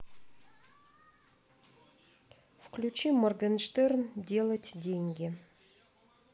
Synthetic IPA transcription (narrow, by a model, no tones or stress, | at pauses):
fklʲʉt͡ɕimːɐrɡənʂt̪erndʲe̞lˠətʲdʲenʲɡʲɪ